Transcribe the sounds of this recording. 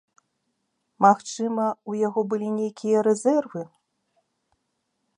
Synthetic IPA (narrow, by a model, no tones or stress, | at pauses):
maxt͡ʂɨmɐujaɣɔbɨlʲinʲejkʲijɐɾɛzʲɛrvɨ